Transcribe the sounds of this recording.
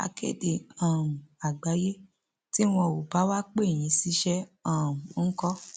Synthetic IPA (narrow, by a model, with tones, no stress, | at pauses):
a̰˧kḛ˦˨de˨ã˨ũ˨a˨ɡ͡ba˨˦je˦ | ti˦w̃ɔ̃˧˨o˨ba˨˦wa˦k͡pe˦˨j̃ĩ˨˧˦si˦ʃɛ˦ã˦˨ũ˨˦n̩˦kɔ˦